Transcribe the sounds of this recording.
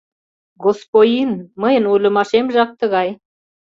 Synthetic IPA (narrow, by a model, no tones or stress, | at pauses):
ɣospojinməjənulʲə̆mɑʃemʒɑk̚t̪ə̆ɣɑj